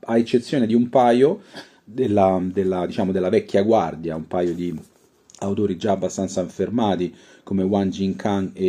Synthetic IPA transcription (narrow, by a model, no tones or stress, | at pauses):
aet͡ʃːet̪sːjoːned̪iumpaːjo | d̪elːad̪elːad̪it͡ʃaːmod̪elːavɛkʲːjaɡward̪jaumpaːjod̪i | awt̪oːɾid͡ʒaːbːast̪ant̪saiɱfermaːt̪i | komewand͡ʒiŋkʰaŋe